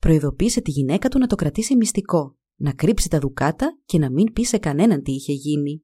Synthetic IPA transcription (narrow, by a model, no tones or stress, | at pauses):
pɾo̞iðo̞piːse̞t̪iʝine̞kɐt̪unɐt̪o̞kɾɐt̪isimist̪iko̞ | nɐkɾipsi̥t̪ɐðukɐt̪ɐce̞nɐmimpise̞kɐne̞nɐnt̪iiçe̞ʝini